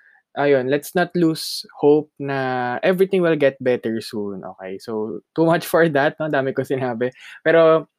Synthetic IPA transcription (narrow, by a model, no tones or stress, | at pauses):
ʔɐjonlɛt̪snɐt̪luːshop̚nɐʔɛvɹɪt̪ɪ̃ŋwɪlɡɛt̪̚bɛt̪ɛɹsunʔo̰ːkḛjsowt̪umat͡ʃfɔɹd̪ɐt̪̚nod̪aːmɪkosɪnaːbɛpɛːɾo